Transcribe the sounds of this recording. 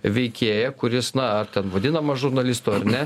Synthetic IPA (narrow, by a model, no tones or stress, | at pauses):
ʋʲɛɪkʲeːjɛkʊɾʲɪsnɐɐrt̪ʲɛnʋɐd̪ʲɪnɐmɐʒʊɾnɐlʲɪst̪uɐɾnʲɛ